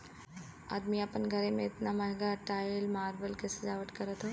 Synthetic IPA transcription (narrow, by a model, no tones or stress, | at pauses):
a̰ːd̪miaːpənɡʱəɾemẽɪt̪namɐɽɡaʈaːjlmaːɾʋəlkesed͡ʒaːʋəʈkɐɾət̪ɦo